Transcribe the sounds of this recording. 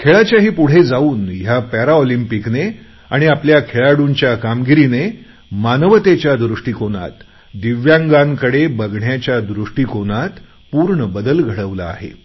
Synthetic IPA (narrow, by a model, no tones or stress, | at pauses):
kʰeɭat͡ɕjaɦiːpuɽ̤ed͡zauːnjapæɾaɔlimpikne | aɽ̃iapljakʰeɭaɽunt͡ɕjakamɡiɾine | manəʋət̪et͡ɕjad̪ɾuʂʈiːkona̰t̪ | d̪iʋjãŋɡaŋkəɽebəɡɳjat͡ɕjad̪ɾuʂʈiːkonat̪ | puɾɳəbəd̪əlɡʱəɽəʋla̰ːɦḛ